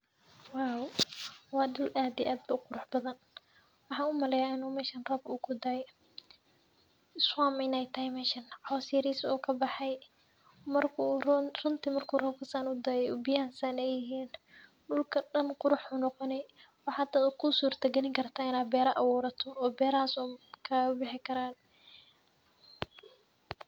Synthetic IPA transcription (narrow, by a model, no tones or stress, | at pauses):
waːwwɑːɗʊlʔaːd̪iʔaːd̪̚bɐʊqʊɾʊħbɐðɐn | wɑħɑːʊmɐlɛjaɪnuːmɛːʃɐnrɔːbʊkʰʊd̪aj | ɪswaːmɪnɛjt̪ʰɐɦɛjmɛːʃɐnʕɑwsɪɐɾisṵːkʰɐbɑħɑj | mɐrkʰʊrʊnt̪ʰɪmɐrkʰuːrɔːb̚kʰɐsanʊd̪ɐjɛubɪjaːnsɐnɛjɪɦiːn | ɖʊlkʰɐɖɐnqʊɾʊħuːnɔqɔnɛ | wɑħɑːd̪ɐd̪ʊkʰʊsuːrt̪ʰɐɡɐnɪŋkʰɐrt̪ʰaːɪnaːd̪bɛːɾɐʔɐwɔːɾɐt̪ʰɔɔːbɛːɾɐaːsɔkʰɐbɪħɪkʰɐɾaːn